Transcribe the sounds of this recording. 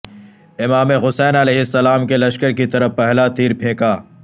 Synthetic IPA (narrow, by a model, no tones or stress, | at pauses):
ɪmaːmeɣʊsɛːnɐlɛːɦɪsːɐlaːmkelɐʃkəɾkit̪ɐɾəfpɛɦlat̪iːɾpʰẽːkaː